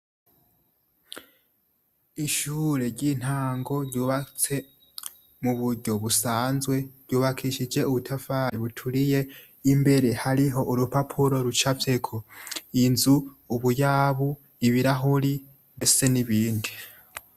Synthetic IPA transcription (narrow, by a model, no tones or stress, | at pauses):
iʃuːɾe̞ɾɟin̥haːŋɡo̞ɾɟuːβat͡se̞ | muβuɾɟo̞βusaːnzɡwe̞ɾɟuːβakʰiʃid͡ʒe̞uβutʰafajiβutʰuɾije̞ | imbe̞ɾe̞haɾiɦo̞ʔuɾupapʰuɾo̞ɾut͡ʃafe̞kʰoinzuː | βujaːβu | iβiɾaɦoɾi | mese̞niβiːndi